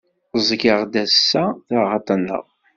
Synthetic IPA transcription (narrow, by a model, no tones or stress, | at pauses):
zˤɡəʁd̪æsːæθəːɑt̪ˤənːə̰ʁ